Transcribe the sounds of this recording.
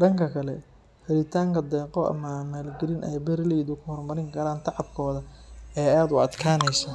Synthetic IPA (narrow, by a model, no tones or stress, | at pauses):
ɖɐŋkʰɐkʰɐlɛ | hɛɾɪt̪ʰaːŋkʰɐd̪ɛːqɔʔɐ̰mɐmaːlɡɪlɪnʔɛjbɛrlɛːðʊkʰʊhɔrmɐɾɪŋkʰɐɾaːnt̪ʰɑʕɑb̚kʰɔːðɐɛːaːd̪ʊɐd̪kʰaːnɛjsɐ